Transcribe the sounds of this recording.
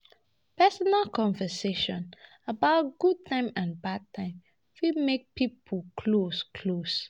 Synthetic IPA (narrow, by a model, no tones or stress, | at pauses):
pɛsɔnalkʰɔ̃ɱvəseʃɔ̰̃n | əbaʊt̚ɡ̥ud̚tʰãɪ̃mãnbad̚tʰãɪ̃m | fimek̚pipʰəkʰloskʰlos